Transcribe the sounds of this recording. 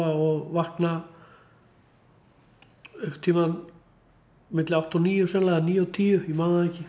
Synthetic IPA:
aɔɣvahkna | ehkʏ̥ɾ̥t̪ʰiːman | mɪt̪lɪawht̪ɔniːjʏsɛnlaɣaniːjʏɔt̪ʰiːjʏimaðaɛcɪ

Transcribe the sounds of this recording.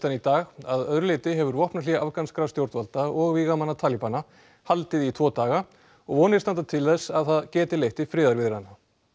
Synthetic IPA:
t̪anit̪aːɣaðœðɾʏleːt̪ɪɦɛvʏɾvɔhpnaliːɣaʔavkanskɾast̪jowɾt̪valt̪aɔɣviɣamanːat̪ʰaːlipana | halt̪ɪðit̪ʰvɔːt̪aːɣa | ɔɣvɔːnɪst̪ant̪at̪ʰɪlθɛsːaðθaðcɛːt̪ɪlejht̪ɪfɾɪːðaɾvɪðɪ̥ɾhanːa

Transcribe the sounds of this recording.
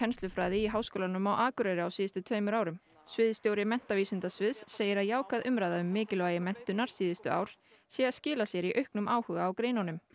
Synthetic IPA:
ɛnst̪lʏfɾaːðɪiɦaːwskoːlanʏmawʔaːkʏɾɛɾɪawsiːðɪst̪ʏt̪ʰœːɥmʏɾaːwɾʏm | svɪðst̪jowɾɪmɛn̥t̪aviːsʏnt̪asvɪðsːeːjɪɾaðjaːwkʰaðʔʏmɾajðaʏmːɪːcɪlvajɪmɛn̥t̪ʏnaɾ̥siːðɪst̪ʏa̰ːwɾ̥ | sjɛɣaðscɪːlasjɛɾiʔœɥhknʏmʔaːwhʏːɣaːwkɾeːjnanʏm

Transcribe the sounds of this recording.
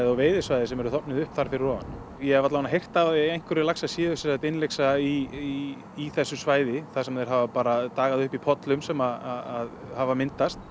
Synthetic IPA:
ðawveːjðɪsvaːjðɪsɛmɛɾʏθɔpnɪðʏhpθaɾ̥fɪɾɪrɔːva̰n | jɛɛvat̪lavanaɦejr̥t̪avaðjɛɣejŋ̥kʏɾɪlaksasjɪːðʏsɛsat̪ɪnlejksaiː | θɛsːʏsvaːjðɪθasɛmaðɛɾɦavapaːɾat̪aːɣaðʏhpipʰɔt̪lʏmsɛmaðaaðhavamɪnt̪ast̪̚

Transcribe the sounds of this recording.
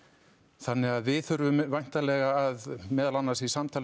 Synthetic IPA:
θanːɪɣaðvɪðθʏɾvʏmvajn̥t̪alɛɣaːðmɛːðalanːaɾ̥sisamt̪ʰaːl

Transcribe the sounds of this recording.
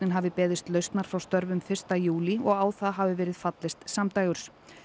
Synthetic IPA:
nɪnɦavɪpɛːðɪst̪lœɥst̪naɾ̥fɾawst̪œɾvʏmfɪr̥st̪ajuːliɔɣaːwθaɦavɪvɛːɾɪð̥fat̪lɪst̪samt̪aːjɣʏɾ̥s

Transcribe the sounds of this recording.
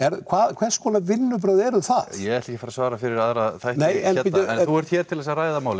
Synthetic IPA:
ɛɾkʰvaːðkʰv̥ɛ̥skʰvɔːnavɪnːʏp̬ɾœðɛɾʏmθaðjɛɣɛht̪ɛhcɪfaːɾasvaːɾafɪɾɪɾaðɾaθajhtneːjɛnpiːt̪θuɛɾ̥t̪çɛːɾ̥t̪ʰɪlðɛsaraːjðamaːwlɪ

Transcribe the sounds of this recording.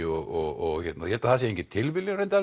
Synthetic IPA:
ɪɔɔɣɔɣçɛt̪najhɛlt̪aθas̬jɛẽŋcɪt̪ʰːɪlvɪlːɪɾent̪a

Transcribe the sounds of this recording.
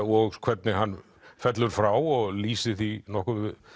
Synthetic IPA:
ɔɣkʰɛt̪nɪɦanː | fɛt̪lʏɾ̥fɾawɔɣliːsɪθinɔhkʏɪ

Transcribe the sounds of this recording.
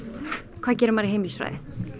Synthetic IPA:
kʰvaːðc̬ɛːɾʏɾmaːɾɪheːjmisvɾa̰jðɪ

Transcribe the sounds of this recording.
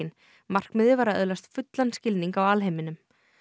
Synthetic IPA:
ɪn | mar̥kmɪðɪvaːɾaœ̰ðlast̪fʏt̪lanscɪlniŋkawalɦejmɪnʏm

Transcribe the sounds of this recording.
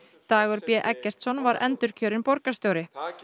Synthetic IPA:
t̪aːɣɔɾpjɛʔɛkːɛr̥t̪sɔnvaɾʔɛ̰nt̪ʏɾ̥cʰœːɾɪnpɔɾkast̪joːwɾɪ

